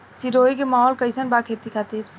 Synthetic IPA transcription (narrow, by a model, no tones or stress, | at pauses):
siɾoik̬emaɦɔlkəjsənbakʰet̪ikʰat̪iɾ